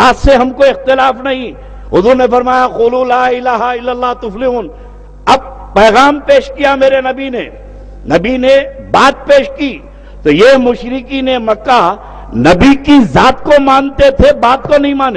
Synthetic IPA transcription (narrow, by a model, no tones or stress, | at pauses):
aːt̪seɦɐmkoɪxt̪ɪlaːfnɐɦĩ | ɦʊzuːɾnefɐɾmaːjaquːlulaːɪlaːɦɪlːəlːaːɦt̪ʊflɪuːn | ɐb̚ | pɛːɣaːmpeːʃkijameːɾenɐbine | nɐbinebaːt̪̚peːʃkiː | t̪ojemʊʃɾɪkinemɐkːa | nɐbikizaːt̪komãːnt̪et̪ʰebaːt̪̚konɐɦĩmãːn